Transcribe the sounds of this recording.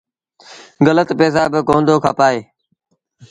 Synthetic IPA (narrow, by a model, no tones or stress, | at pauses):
ɡələt̪peːs̬aːbɪkõːnd̪oːkʰaːpaːeː